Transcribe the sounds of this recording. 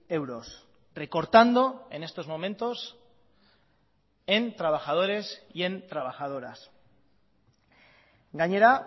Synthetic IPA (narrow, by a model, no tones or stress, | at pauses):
e̞wɾo̞s | re̞ko̞ɾt̪and̪o̞e̞ne̞st̪o̞zmo̞mẽ̞nt̪o̞s | e̞nt̪ɾaβ̞axað̞o̞ɾe̞sie̞nt̪ɾaβaxað̞o̞ɾas | ɡaɲeɾa